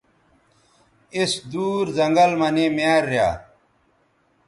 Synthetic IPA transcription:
isd̪uːɾzɐŋɡɐlmɐnemjaːɾːja̰ː

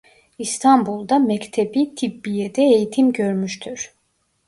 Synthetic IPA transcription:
ist̪ʰanbulˠd̪amɛct̪ʰebit̪ʰibːijed̪ɛejit̪ʰimɟø̞ɾmyʃt̪ʰyɾ̥

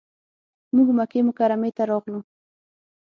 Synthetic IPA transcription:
mʊɡmakemʊkaɾamet̪aɾɑχlʊ

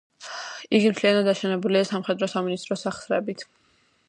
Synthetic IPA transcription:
iɡimt̪ʰlianad̪aʃɛnɛbuliasamχɛd̪ɾɔsaminist̪ʼɾɔsaχsɾɛbit̪ʰ

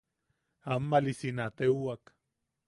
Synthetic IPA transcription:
amːalisinat̪ewak

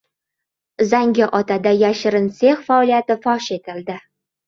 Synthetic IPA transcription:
zaŋɡʲɪʔɒt̪ʰad̪ajaʃɪɾɪnseχfaɒlijat̪ɪfɒʃe̞t̪ʰɪld̪ɪ

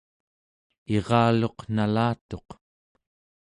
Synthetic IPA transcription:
eʁɑːlo̞qnalaːt̪o̞q

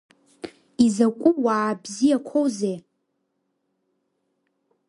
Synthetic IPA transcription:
izakʷʼuwaːbzijakʷʰowze

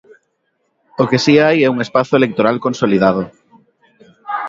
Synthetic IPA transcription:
okesiajɛuŋespaθʊelek̚t̪oɾalkonsoliðað̞o

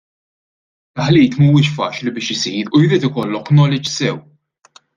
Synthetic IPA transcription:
lħliːt̪mɐmuːɪʃfɐːt͡ʃlibɪːʃɪsiːɾujɾiːt̪ɪkɔlːɔkːnɔlɪd͡ʒsɛw

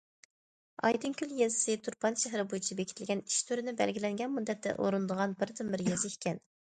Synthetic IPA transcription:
ɑ̰jd̪ɨnkʲyljezɪ̥sɪt̪ʰuɾpɑnʃɛɦɾɪbojit͡ʃʰibekʲʰt̪ʰɪlɡʲɛni̥ʃt̪ʰyɾɪnɪbɛlɡʲilɛŋɡʲɛnmud̪ːɛt̪ːɛ̰ʔoɾɨnd̪əʁɑnbɪɾt̪ʰɨmːɪɾjezɪikʲʰɛn

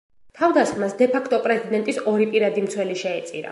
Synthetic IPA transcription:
t̪ʰavd̪asχmasd̪ɛpʰakʰt̪ʼɔpʼɾɛzid̪ɛnt̪ʼisɔɾipʼiɾad̪imt̪sʰwɛliʃɛːt̪sʼḭɾa̰

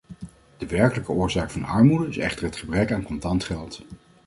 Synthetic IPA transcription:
d̥əʋɛɹkələkəʊːɹzaːkfɑnɑɹmudəɪsɛ̰χtəɹɦətχəbrɛkaːnkɔntɑntχɛlˠt

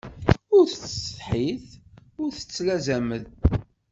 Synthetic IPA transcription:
ʊɾθət͡sːə̥θħiθʊɾθə̥t͡sːlæzæməð

